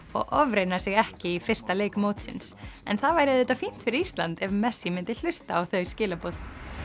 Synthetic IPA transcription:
ɔ̰ɣʔɔvɾejnasɪɣɛhcɪifɪr̥st̪aleːjkmoːwt̪sɪ̰nsɛ̰nθaðvaːjɾɪðɪt̪ːafin̥t̪fɪɾɪɾist̪lant̪ɛvmɛsːimɪnt̪ɪl̥ʏst̪aːwθœɥscɪːlapoθ

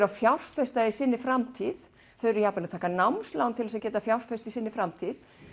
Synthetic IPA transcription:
ɾafjawr̥fɛst̪aisɪnːɪfɾamt̪ʰið | θeɾjaːpaɾat̪ʰaːkanawmslawnt̪ʰɪlvɛsðcɛːt̪afjawr̥fɛst̪isɪnːɪfɾamt̪ʰið

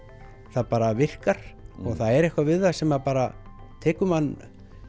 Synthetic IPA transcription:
θaðpaːɾavɪr̥kaɾ̥ɔɣθaðɛɾɛhkvavɪðaðsɛmapaːɾat̪ʰɛːkʏmanː

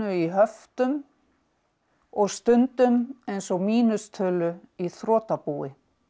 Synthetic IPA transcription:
ʏiɦœft̪ʏn | ɔɣst̪ʏnt̪ʏnejnsɔɣmiːnʏst̪ʰœːlʏiθɾɔːt̪apuːɪ

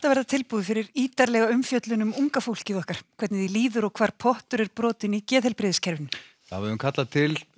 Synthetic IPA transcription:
ɛht̪avɛɾðat̪ʰɪlpuːðfɪɾɪɾiːt̪aɾlɛɣaʏmfjœt̪lʏnʏmuŋkafowl̥cɪðɔhkaɾ̥kʰvɛt̪nɪðiliːðʏɾɔɣkʰvaːɾ̥pʰɔht̪ʏɾɛɾpɾɔːt̪ɪnicɛːðɛlpɾɪːðɪscʰɛɾvɪn | a̰vɪʏmkʰat̪lat̪ʰɪl

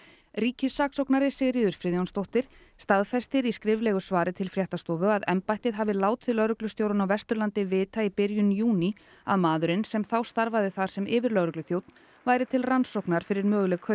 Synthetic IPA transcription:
riːcɪsaːksowknaɾɪsɛɣɾiːðʏɾ̥fɾɪːðjownst̪owht̪ɪɾ̥ | st̪aðfɛst̪ɪɾiskɾɪvlɛɣʏsvaːɾɪt̪ʰɪlfɾjaht̪ast̪ɔːvʏaðɛmpajht̪ɪðɦaːvɪlaːwt̪ʰɪlœɣɾʏklʏst̪jowɾʏnawvɛst̪ʏɾlant̪ɪvɪːt̪aipɪɾjʏnjuːni | a̰ðmaːðʏɾɪnsɛmθawst̪aɾvaðɪθaɾ̥sɛmʔɪːvɪɾlœɣɾʏklʏθjowt̪n̥ | vaːjɾɪt̪ʰɪlransowknaɾ̥fɪɾɪɾmœːɣlɛkʰœ

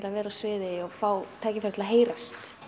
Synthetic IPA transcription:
ɪlavɛːɾaðsvɪːðɪɔɣfaːwt̪ʰaːjcɪfaɾ̥t̪ʰɪlaɦeːjɾast̪

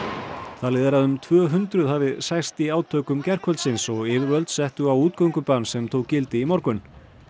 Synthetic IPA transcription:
θalɪðɾaðʏmt̪ʰvœːɦʏnt̪ɾʏðhavɪðsajst̪iaːwt̪ʰœːkʏmcɛr̥kʰvœlt̪sɪnsɔɣɪːvɪɾvœlt̪sɛht̪ʏawuːt̪̚kœwŋkʏpansɛmt̪ʰoːwkcɪlt̪ɪimɔɾkʏn

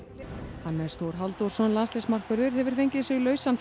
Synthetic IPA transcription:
hanːɛst̪ʰoːwɾ̥ɦalt̪ɔɾ̥sɔnlanslɛsmar̥kvʏɾðʏɾ̥hɛvʏɾ̥fejɲcɪðsjɛɣlœːɥsanf

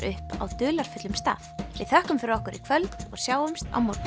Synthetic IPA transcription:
ʔʏhpa̰wt̪ʏːlaɾ̥fʏt̪lʏmst̪a̰ːθvɪ̰ðθhœhkʏmfɪɾɪɾɔhkʏɾʔikʰvœlt̪ɔɣsjaːwʏmst̪a̰wmoɾ

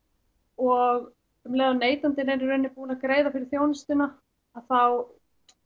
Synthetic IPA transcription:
ɔɣ | mlɛːðaneːjt̪ant̪ɪnɛɾʏɾʏnːɪpuːnakɾeːjðafɪɾɪ̥ɾ̥θjoːwnɪst̪ɪna | aðθaw

